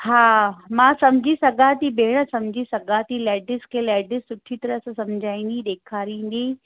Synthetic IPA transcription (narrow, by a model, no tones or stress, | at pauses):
haːmãːsɐmd͡ʑʱisɐɡãt̪ibʱeːɽəsɐmd͡ʑʱisɐɡãt̪ilɛːɖɪskʰeːlɛːɖɪssʊʈʰit̪ɐɾəssɐmd͡ʑʱaːĩːnd̪ĩɗ̪eːkʰaːɾĩːnd̪iː